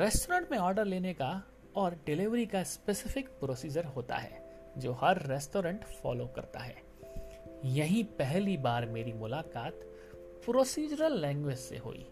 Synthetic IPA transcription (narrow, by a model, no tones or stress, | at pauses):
ɾɛːsʈoːɾə̃ɳʈmẽɔːɾɖəɾleːneka | ɔːɾɖɪlɪʋɾikaspesɪfɪkpɾoːsiːd͡ʒəɾɦoːt̪a̰ɦɛ̰ː | d͡ʒoːɦɐɾːɛsʈoːɾə̃ɳʈfɔ̰ːlokɐ̰ɾt̪a̰ɦɛ̰ː | jɐɦĩpɛɦlibaːɾmeːɾimʊlaːkaːt̪ | pɾoːsiːd͡ʒəɾəlːɛ̃ːŋɡwed͡ʒsḛɦo̰ːḭː